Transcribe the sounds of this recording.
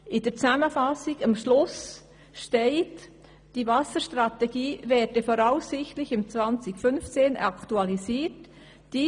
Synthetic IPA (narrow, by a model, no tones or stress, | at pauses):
ʔɪdəɾt͡sæməfɑsɪɡ̥ɑmʃlʊs | ʃteɪt | d̥ivɑsəʃtɾɑtɛɡiːvɛːdɛfɔɾaʊsɪxtlɪçɪmt͡svɑnt͡sɪkfʏnft͡seːnɑktuɑlisiːt | d̥i